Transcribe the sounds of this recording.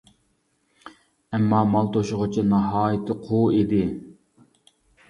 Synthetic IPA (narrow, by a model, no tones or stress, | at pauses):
ɛmːɑːmɑlˠt̪ʰoʃʊʁʊt͡ʃʰinɑɦɑːjɪt̪ʰɪqʰuid̪ɪ